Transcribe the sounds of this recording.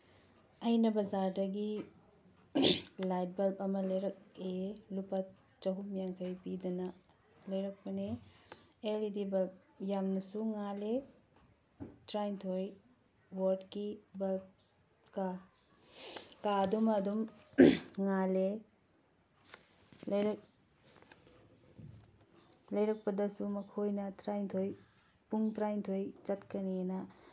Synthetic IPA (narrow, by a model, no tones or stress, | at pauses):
ɐjnɐbɐzaɾdɐɡi | lajt̚bɐlpɐmɐlɐjɾɐk̚elupɐt̚ | t͡ʃɐɦumjaŋkʰɐjpidɐnɐ | lɐjɾɐk̚pɐne | elidibɐlp̚ | jamnɐsuŋale | tɾajntʰoj | woɾdkibɐ | ka | kadumɐdum | ŋale | lɐjɾk̚ | lɐjɾɐk̚pɐdɐsumɐkʰojnɐtɾajntʰoj | puŋtɾajntʰojt͡ʃɐtkɐnienɐ